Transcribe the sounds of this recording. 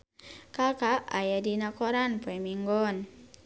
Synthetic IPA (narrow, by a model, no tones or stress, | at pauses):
kakaʔajadinakɔɾanpamiŋɡɔn